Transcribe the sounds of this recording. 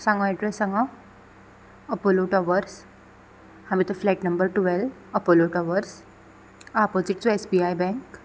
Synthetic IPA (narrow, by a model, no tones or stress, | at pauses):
sãŋɡãɛɖɾesːãŋɡa | əpoloʈɔʋəɾs | hãmit̪əflaʈnəmbəɾʈuʋɛləpoloʈɔʋəɾs | apot͡siʈ̚t͡suesbiajbɛ̃ŋk